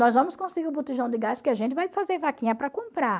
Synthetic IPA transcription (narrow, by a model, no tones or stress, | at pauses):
nɔzvɐ̃mʊskõsɪɡiʊbut̪ɪʒɐ̃w̃d̪ɪɡaspʊɾkɪaʒẽnt̪ɪvajfazeɾvakĩɲɐpɾɐkõmpɾa